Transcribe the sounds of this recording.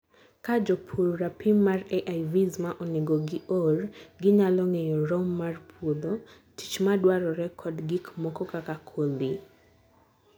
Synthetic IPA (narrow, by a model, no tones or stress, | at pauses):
kad͡ʒɔpʰuɾɾapɪmːarɛʔajvizmaʔɔnɪɡɔɡɪʔorɡɪɲalɔŋejɔɾɔmːarpʰwod̪o | ti̥t͡ʃmadwaɾɔɾɛkʰɔdɡikmɔkɔkakakʰoli